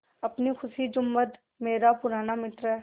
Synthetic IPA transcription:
ɐpnixʰʊsid͡ʒʊmːət̪ | meːɾapʊɾaːnamɪt̪ɾɛː

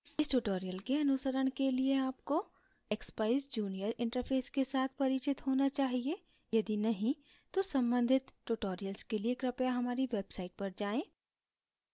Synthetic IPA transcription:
ɪsʈuʈoːɾijəlkeɐnʊsəɾəɽ̃kelieaːpko | ekspaːɪsd͡ʒuːnijəɾɪ̃ɳʈəɾpʰeːskesaːt̪ʰpɐɾɪt͡ʃɪt̪ɦoːnat͡ʃaːɦie | jɐd̪inɐɦĩ | t̪osɐ̃mbə̃nd̪ʱɪt̪ʈuːʈoːɾijəlskeliekɾɐpjaɦɐmaːɾiʋeːbsaːɪʈ̚pɐɾd͡ʒaːẽː

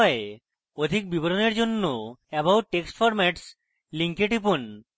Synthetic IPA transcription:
ɔe | od̪ʱik̚biboɾoneɾd͡ʑonːoɛbaw̚ʈeksʈfɔɾmɛʈs | liŋkeʈipun

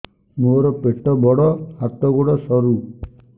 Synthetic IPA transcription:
moɾɔpeʈɔbɔɽɔhat̪ɔɡoɽɔsɔɾu

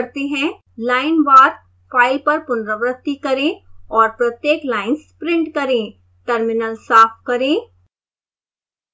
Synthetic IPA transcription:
ɾt̪eɦɛ̃ | laːɪnʋaːɾ | fʰaːɪlpɐɾpʊnɾəʋɾək̚t̪ikɐɾẽɔːɾpɾɐt̪jeːklaːɪnspɾɪ̃ɳʈkɐɾẽ | ʈɐɾmɪnəlsaːpʰkɐɾẽː

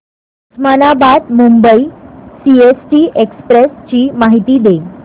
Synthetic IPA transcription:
usmanabad̪mumbəisiesʈiːʔekspɾest͡ɕiːmaɦit̪iːd̪e

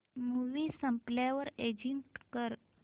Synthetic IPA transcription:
muʋiːsəmpljaʋəɾed͡ʑiɳʈkəɾ

